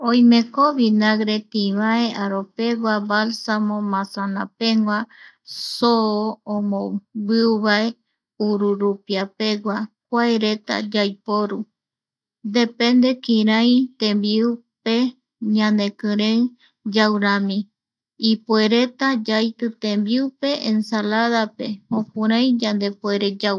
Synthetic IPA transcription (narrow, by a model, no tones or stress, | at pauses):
oj̃mẽkoβinaɡɾe̞t̪ĩβae̞aɾope̞ɡʷabalsamõmãsanapeŋɡʷa | sooõmõbɨuβae̞ | uɾuɾupiape̞ɡʷak̚ʷaeɾe̞t̪a̰d͡ʒajpoɾu | d̪e̞pẽ̞nd̪e̞kĩɾãj̃t̪ẽmbiupe | ɲãnd̪e̞kɨ̃ɾẽŋ | d͡ʒawɾãmĩ | ipue̞ɾe̞t̪ad͡ʒajt̪ɨt̪ẽmbiupe̞ẽnsalaðape̞õpũɾãj̃d͡ʒãnd̪e̞poeɾed͡ʒa